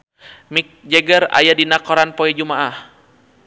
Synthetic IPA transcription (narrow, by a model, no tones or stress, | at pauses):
mik̚d͡ʒɛɡəɾa̰jadinakɔɾanpɔɛd͡ʒumaʔah